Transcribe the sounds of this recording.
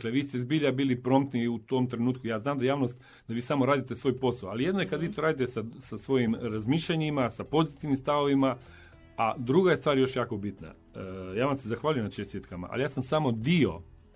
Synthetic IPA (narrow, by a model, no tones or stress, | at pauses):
kleʋiːst̪e̞zbiːʎabiːlipɾo̞mt̪niut̪o̞mt̪ɾe̞nuːt̪kujaːznaːmd̪ajaːʋnost̪ | d̪aʋiːsamo̞ɾaːd̪it̪esʋo̞ːjpo̞saoalije̞d̪nojekad̪ʋiːt̪o̞ːɾaːd̪it̪esasasʋo̞jimɾazmiːʃʎaɲimasapo̞zit̪iʋnimst̪aʋo̞ʋima | ad̪ɾuɡajest̪ʋaːɾjo̞ʃjaːko̞bit̪na̰ | jaːʋamsezaxʋaːʎujenat͡ʃest̪et̪kama̰ʔa̰lijaːsamsamo̞d̪io̞̰